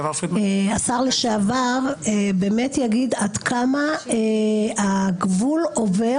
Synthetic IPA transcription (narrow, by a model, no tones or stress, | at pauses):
asaʁleʃeavaʁebe̞ːmetjaɡid̪ad̪kʰama | aɡvulo̞ve